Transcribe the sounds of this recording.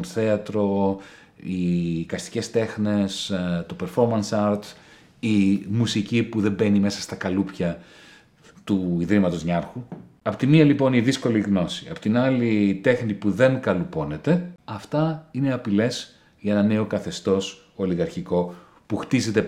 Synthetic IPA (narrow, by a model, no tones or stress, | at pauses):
θe̞ɐt̪ɾo̞ | ikɐst̪i̥ce̞st̪e̞xne̞st̪o̞pe̞ɾfo̞ɾmɐnsɐɾt̪ | imusicipuðe̞mbe̞nime̞sɐ̥st̪ɐkɐlupçɐ | t̪uiðɾimɐt̪o̞zɲɐɾxuɐpo̞t̪imiɐlipo̞niðisko̞liɣno̞siɐ̰po̞t̪inɐlit̪e̞xnipuðe̞ŋkɐlupo̞ne̞t̪e̞ɐft̪ɐineɐpile̞s | ʝɐenɐne̞okɐθe̞st̪o̞s | o̞liɣɐɾçiko̞ | puxt̪ize̞t̪e̞